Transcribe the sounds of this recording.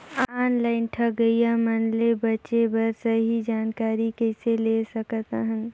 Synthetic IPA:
aːnlaːɪnʈʰɐɡəijamənlebɐʃebəɾsəɦid͡ʒaːnkaːɾikɛselesəkt̪aɦə̃n

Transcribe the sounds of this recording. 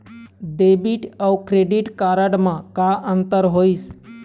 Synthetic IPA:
ɖebiʈəwkɾeɖiʈkaɾəɽmãkaʔənt̪əɾɦois

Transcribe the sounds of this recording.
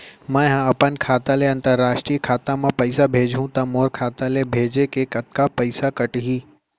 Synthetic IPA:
mãɦãɐpənkʰaːt̪ãleɐ̃nt̪əɾːaːʃʈɾiːkʰaːt̪ãmãpɐɪsabʱeːd͡ʒʱɦũt̪ɐmoːɾkʰaːt̪alebʱeːd͡ʑekeːkɐt̪̚kapɐɪsakɐʈɦiː

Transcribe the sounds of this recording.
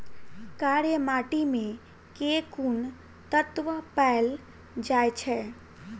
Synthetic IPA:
kaːɾjəmaːʈimẽ | kekun | t̪ət̪ʋəpɛːl | d͡ʒaːjt͡ʃʰɛ

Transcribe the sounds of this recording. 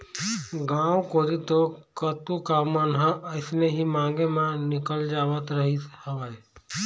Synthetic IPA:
ɡãːwkoːɾit̪okət̪ukamənɦãʔəɪsneɦimãːŋɡemãnɪkəld͡ʒaːʋət̪ɾəɦit̪hɐʋə

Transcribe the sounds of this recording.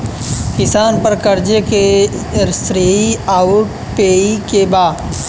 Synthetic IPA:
kɪsaːnpɐɾkɐɾd͡ʒəke | ɾsɾeːiaːʊʈ̚ | peːikebaː

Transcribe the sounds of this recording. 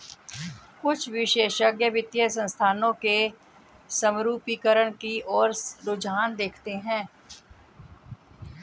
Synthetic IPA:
kʊt͡ʃʰʋɪʃeːʃəɡjəʋɪt̪jəsə̃nst̪ʰaːnõke | səmɾuːpikəɾəɽ̃kiɔːɾɾʊd͡ʒaːnd̪eːkʰt̪eɦɛ̃ː

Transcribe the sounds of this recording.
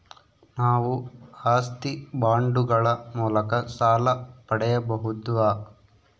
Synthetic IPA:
naːʋuhaːst̪ibaːɳɖuɡɐɭɐmuːlɐkɐsaːlɐpɐɽɛjɐbɐɦud̪ʋaː

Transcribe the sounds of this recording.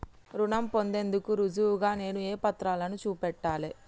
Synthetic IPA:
ɾuɳɐmpo̞nd̪e̞nd̪ukuɾud͡ʒuʋuɡaːne̞ːnueːpɐt̪ɾaːlɐnut͡ʃuːpɛʈːaːleː

